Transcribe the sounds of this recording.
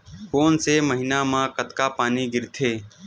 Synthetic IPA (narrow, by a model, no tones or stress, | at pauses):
foːnseːməɦinãːmãːkət̪kaːpaːniɡɪɾt̪ʰeː